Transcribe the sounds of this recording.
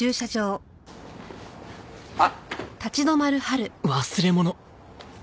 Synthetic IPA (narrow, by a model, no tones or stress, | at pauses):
ɨːɕad͡ʑo̞ː | t̪at͡ɕid̪o̞maɾɯ̟haɾɯ̟βasɨɾe̞mo̞no